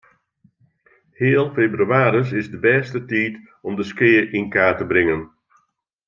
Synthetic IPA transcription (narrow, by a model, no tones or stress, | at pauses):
hɪːəlˠfebryaːɾəs̬ɪzdəbɛːstətiːt | ɔmdəskɪːəʔinkaːtəbɾɪŋən